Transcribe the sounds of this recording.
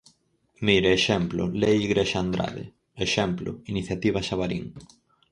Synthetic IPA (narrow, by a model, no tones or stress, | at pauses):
miɾeeʃɛmplʊ̰lejiɣɾeʃand̪ɾa̰ðɪ̰ | eʃɛmplʊ̰iniθjat̪iβ̞aʃaβaɾiŋ